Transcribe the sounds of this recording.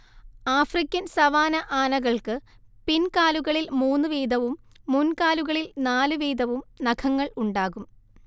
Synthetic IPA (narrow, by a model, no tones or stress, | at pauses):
aːfrikʲːɐnsɐʋaːnɐʔaːnɐɣɐɭkɨ | pinkaːluɣɐɭilmuːnːɨʋiːd̪ʱɐʋumː | unkaːluɣɐɭilnaːlɨʋiːd̪ʱɐʋumnɐkʰɐŋːɐɭuɳɖaːɣum